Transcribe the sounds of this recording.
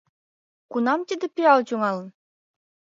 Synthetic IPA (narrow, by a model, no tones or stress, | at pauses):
kunɑmt̪id̪ĕpiɑlt͡ɕuŋɑlə̆n